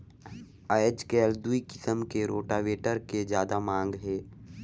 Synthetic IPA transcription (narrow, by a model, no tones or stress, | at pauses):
ajəd͡ʒkɛːld̪uikɪsəmkeɾoːʈaʋeːʈəɾked͡ʒjaːd̪amãːŋɡɦɛ̃ː